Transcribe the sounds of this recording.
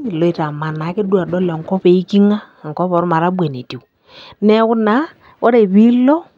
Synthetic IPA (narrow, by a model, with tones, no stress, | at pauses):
lɔ˨˦i˨ta˨ma˨na˨˦kɪ˦du˦a˨dɔ˦lɔ˨ŋkɔ˦pe˨i˦ki˦ŋa˦˨ŋ̩˨kɔ˦pɔ˨ɾma˨ɾa˦bwe˨ni˨ti˨ | nɛ˦kʊ˦na˨˦ | ɔ˦ɾe˨βi˦lɔ˦